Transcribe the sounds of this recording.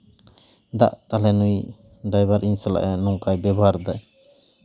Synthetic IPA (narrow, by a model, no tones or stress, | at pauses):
d̪a̰ʔt̪alɛnuj | ɖajbaɾʔinsala̰ʔɛnɔŋkajbɛbaɾd̪aj